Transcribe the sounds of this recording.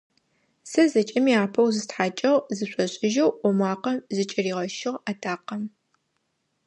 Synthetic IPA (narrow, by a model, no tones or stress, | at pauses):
sɐzɐt͡ʃʼɐmiaːpʰɐwzɨstħaːt͡ʃʼɐʁzɨɕʷʼɔɕʼɪʒɐwʷɔmʷɑːqɐmzɨt͡ʃʼɪriːʁɐʃɪʁatʰaːqɐm